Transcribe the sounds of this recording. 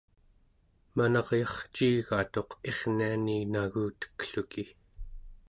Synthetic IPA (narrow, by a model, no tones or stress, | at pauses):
manʌʁjɑχt͡ʃiːɣat̪o̞qe̞ʁnianinaɣuːt̪ə̥kɬuki